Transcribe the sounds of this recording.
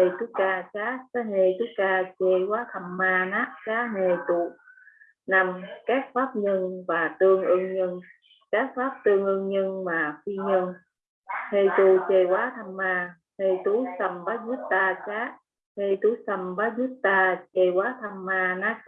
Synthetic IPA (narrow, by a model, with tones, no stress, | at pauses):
e˧jt̪u˨˦˥kaː˧t͡ɕaː˦˥sa˨˦ne˧˩jt̪u˨˦kaː˧t͡ɕe˧˩waː˨˦˥t̪ʰa˧˩mmaː˧naː˦˥k̚t͡ɕaː˨˦˥ne˨˩t̪u˧˨ | na˨˩mkaː˦˥k̚faː˦˥p̚ɲə˧nvaː˨˩t̪ɨ˧əŋʔɨ˧ŋɲə˧ŋ | kaː˦˥k̚faː˦˥p̚t̪ɨ˧əŋʔɨ˧ŋɲə˧ŋmaː˨˩fi˧ɲə˧ŋ | he˧˩jt̪u˧˨t͡ɕe˧˩waː˨˦t̪ʰa˨˧˩mːaː˧ | ne˧˩jt̪u˨˦sə˨˩mɓaː˨˦˥t̚zu˦˥t̚t̪aː˧t͡ɕaː˦˥ | he˧˩jt̪u˧˨˦sə˧˩mɓaː˨˦zu˦˥t̚t̪aː˧t͡ɕe˧wwaː˨˦t̪ʰa˧˩mːaː˧naː˦˥k̚